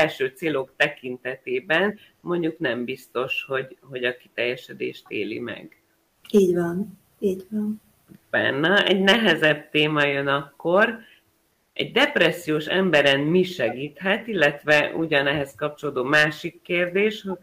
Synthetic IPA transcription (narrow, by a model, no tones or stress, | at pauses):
ɛlʃøːt̪seːlo̞kt̪ɛkint̪ɛt̪eːbɛn | mo̞ɲɟuknɛmbist̪o̞ʃho̞ɟɦo̞ɟɒki̥t̪ɛjːɛʃɛd̪ḛːʃt̪ḛːlḭmɛ̰ɡ̥ | iːɟʋɒn | iːɟʋɒn | bɛ̰nːɛɛɟnɛɦɛzɛb̚t̪eːmɒjønɒkːo̞r | ɛ̰ɟd̪ɛpɾɛsːijoːʃɛmbɛɾɛnmiʃɛɡiːt̪ɦɛt̪ilːɛt̪ʋɛʔṵɟɒnɛɦɛskɒp̚t͡ʃoloːd̪oːmaːʃikːeːrd̪eːʃho̥